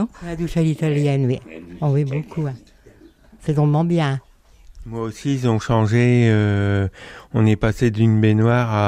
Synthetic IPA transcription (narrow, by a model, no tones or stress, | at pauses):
lad̪uʃalit̪aljɛnwiɔ̃vibokʰuɛ̃ | set̪ɔ̃mɑ̃bjɛ̃ | mwaosizɔ̃ʃɑ̃ʒeø | ɔ̃nɛpased̪ynbenwaːʁa